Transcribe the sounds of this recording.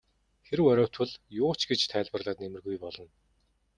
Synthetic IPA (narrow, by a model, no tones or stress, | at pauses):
xeɾɘ̆wɔɾʲɔːwʰt̪ʰɵ̆ɮjʊːt͡ɕɡet͡ɕt̪ʰæːɮpə̆rɮaːt̪nemɘ̆rɣujpɔɮɞ̆n